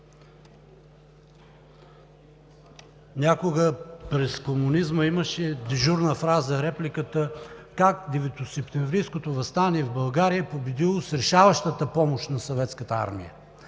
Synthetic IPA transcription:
nʲakoɡəpɾɛskomunizməiməʃɛd̪ɛʒuɾnəfɾazəɾɛplikət̪əkakd̪ɛvɛt̪osɛpt̪ɛmvɾijskot̪ovɐst̪aniɛvbɐlˠɡaɾijəpobɛd̪ilˠosɾɛʃavəʃt̪ət̪əpɔmoʃt̪nɐsovɛt̪skət̪əa̰ɾmḭjə̰

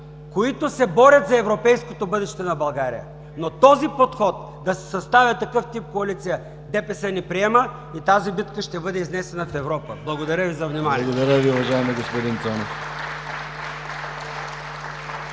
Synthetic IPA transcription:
koit̪osɛbɔɾʲət̪zɐɛvɾopɛjskot̪obɤd̪ɛʃt̪ɛnɐbɐlˠɡaɾḭjə̰ | not̪ɔzipot̪xɔt̪̚ | d̪ɐsɛ̥sɐst̪avʲɐt̪ɐkɤft̪ip̚koɐlit̪sijə | d̪ɛpɛsɛnipɾiɛmə | it̪azibit̪kəʃt̪ɛbɤd̪ɛiznɛsɛnɐfɛvɾɔpəblˠɐɡod̪ɐɾəvizɐvnimaniɡod̪ɐɾəviʊvɐʒajɛmiɡospod̪int̪sɔnɛf

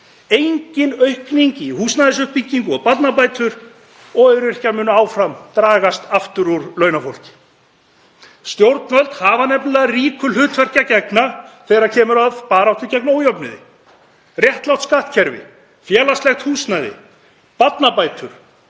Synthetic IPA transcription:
ejɲcɪnœɥhkniɲcɪihuːsnajðɪsʏhpicːiŋkʏɔpat̪napajt̪ʏɾ | ɔɣœɾɪr̥caɾmʏːnʏaːwfɾamt̪ɾaːɣast̪aft̪ʏɾuɾlœːɥnafowl̥cɪ̥ | st̪jowɾt̪nvœlt̪haːvanɛplʏlɛɣariːkʏlʏːt̪vɛr̥cacɛknaθɛːjɾaɾcʰɛːmʏɾaðpaːɾawht̪ʏɾcɛknoːwjɔpnʏðɪ̰ | rjɛht̪law̥t̪skaht̪cʰɛɾvɪ̰ | fjɛːlast̪lɛxt̪huːsnajðɪ̰ | pat̪napaːjt̪ʰʏɾ̥

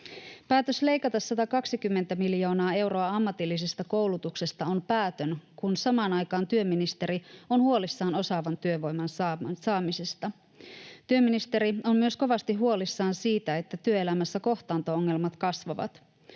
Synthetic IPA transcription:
pæːt̪øsle̞jkɑt̪ɑsːɑt̪ɑkɑksikymːent̪æmiljo̞ːnɑːe̞wɾo̞ɑɑmːɑt̪ilːisest̪ɑko̞wlut̪ukse̞st̪ɑo̞npæːt̪ønkunsɑmɑːnɑjkɑːnt̪yømːinist̪e̞ɾio̞nhuolisːɑːno̞sɑʋɑnt̪yøʋo̞jmɑnsɑːsɑːmisest̪ɑ | t̪yømːinist̪e̞ɾio̞mmyø̞sko̞ʋɑst̪iɦuo̞lisːɑːnsiːt̪æe̞t̪ːæt̪yøelæmæsːæko̞ht̪ɑːnt̪o̞oŋːe̞lmɑt̪kɑsʋɑʋɑ̰t̪

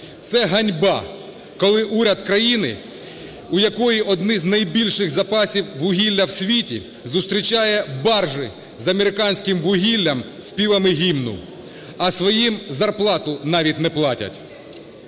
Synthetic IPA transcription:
t̪sɛɦɐnʲbɑ | kɔlˠɪʔuɾʲɐd̪kɾɐjinɪ̰ | ʊjɐkɔjiʔɔd̪nɪznɐjbʲilʲʃɪxzɐpɑsʲiwʋʊɦʲilʲːɐwsʲʋʲitʲḭ | zʊst̪ɾʲit͡ʃɑjɛbɑrʒɪ | zɐmeɾɪkɑnʲsʲkɪmʋʊɦʲilʲːɐm | sʲpʲiʋˠɐmɪɦʲimnʊ̰ | ɐsʋɔjimzɐrplˠɑt̪ʊnɑʋʲit̚ʲnɛplˠɑtʲɐ̰tʲ

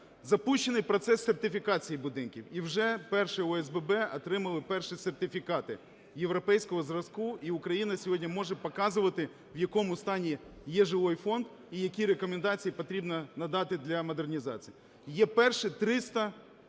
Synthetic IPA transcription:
zɐpuʃt͡ʃːenɪjpɾɔt̪sɛsːert̪ɪfʲikɑt͡sʲijibʊd̪ɪnkʲiwiwʒɛpɛrʃɪɔɛzbɛbɛɐt̪ɾɪmɐlˠɪpɛrʃɪsert̪ɪfʲikɑt̪ɪ | jewɾɔpɛjsʲkɔɦɔzrɐskuiʊkɾɐjinɐsʲɔɦɔdʲnʲimɔʒɛpɔkɑzʊʋɐt̪ɪ | wjɐkɔmʊst̪ɑnʲijɛʒɪʋɔjfɔnd̪ | ijɐkʲiɾekɔmend̪ɑt͡sʲijipɔt̪ɾʲibnɐnɐd̪ɑt̪ɪd̪lʲɐmɔd̪ernʲizɑ̰t͡sʲiji | jɛpɛrʃɪt̪ɾɪst̪ɐ

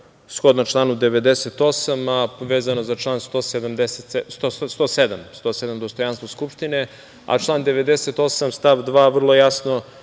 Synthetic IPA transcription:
sxod̪not͡ʃlˠaːnud̪eʋed̪eset̪o̞samaʋeːzanozat͡ʃlˠaːnst̪oːsed̪amd̪eset̪est̪ost̪oːsed̪amst̪oːsed̪amd̪ost̪ojanst̪voskupʂt̪ine | a̰t͡ʃlˠaːnd̪eʋed̪eset̪o̞samst̪aʋd̪ʋaːʋr̩lˠojasno

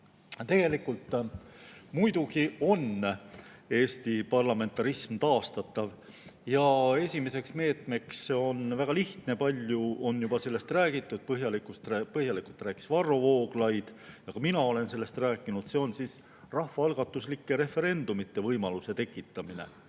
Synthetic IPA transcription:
t̪e̞ɡ̥e̞likːult̪ | mujd̪ukio̞n | e̞ːst̪ipɑrlɑme̞nt̪ːˑɑɾismt̪ɑːst̪ɑt̪ːˑɑv | jɑe̞sʲimese̞ksme̞ːt̪me̞kso̞nvæɡ̥ɑliht̪ne̞pɑlʲjuo̞njubɑse̞lːe̞st̪ræːɡ̥it̪ːˑud̪̥̚pɤɦjɑlikˑust̪pɤhjɑlikult̪ræːki̥svɑrːo̞vo̞ːɡ̥lɑjd̪̥jɑkɑminɑo̞le̞nse̞lːe̞st̪ræːkːˑinud̪̥se̞o̞nsis | rɑhfɑɑlɡ̥ɑt̪ːˑuslikːe̞ɾe̞fe̞ɾe̞nd̪̥umit̪ːe̞vɤjmɑluse̞t̪e̞kːˑit̪ːˑɑmine̞̰

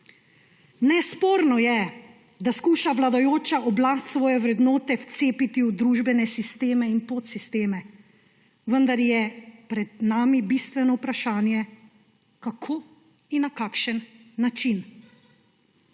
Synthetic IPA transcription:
nɛspoːɾnɔjɛ | d̪askuːʃaʋlad̪ajoːt͡ʃaʔɔblast̪sʋɔːjɛʋɾɛd̪noːt̪ɛwt̪seːpit̪iwd̪ɾuːʒbɛnɛsist̪eːmɛinpot̪sist̪eːmɛ | ʋənd̪aɾjɛpɾɛd̪naːmibist̪ʋɛnɔwpɾaʃaːnjɛ | kakʰoː | inakaːkʃənːat͡ʃin

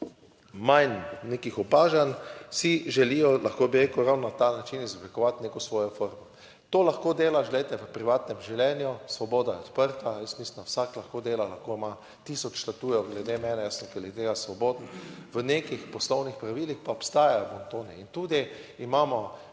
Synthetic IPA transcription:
majnnekixɔpaːʒansiʒɛlijɔlaxkoːbiɾeːkuɾawnɔnat̪aːnat͡ʃinizɔblikɔʋat̪neːkɔsʋɔːjɔfoːɾmɔ | t̪oːlaxkod̪eːlaʒlɛɪjt̪ɛʋəpɾiʋaːt̪nɛmʒɛwljɛnjusʋɔbɔːd̪ajɛɔt̪pəɾt̪ajəst̪mislind̪awsaklaxkoːd̪eːlalaxkoima | t̪iːsɔt͡ʃʃlat̪uːjɛɡlɛd̪emɛːnɛjasnɔkɛlet̪eːɡasʋɔboːd̪nʋənekixpɔslɔwnixpɾaʋiːlixpaɔpst̪aːjajɔmɔnt̪oːnɛint̪uːd̪iːmaːmɔ

